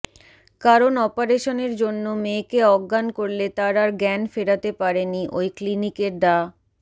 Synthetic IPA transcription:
kaɾonɔpaɾeʃoneɾd͡ʑonːomekeɔɡːankoɾlet̪aɾaɾɡɛnfeɽat̪epaɾeniʔojklinikeɾɖa

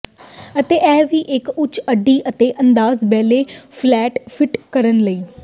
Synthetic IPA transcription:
ət̪eːʔɛːʋiːʔɪkʊt͡ʃəɖiːʔət̪eːʔənd̪aːzbɛːleːpʰlɛːʈpʰɪʈkəɾənləiː

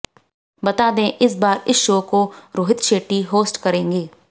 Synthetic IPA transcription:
bɐt̪aːd̪ẽʔɪs̬baːɾɪsʃoːkoɾoːɦɪt̪ʃeːʈiɦoːsʈkɐɾẽːŋɡeː

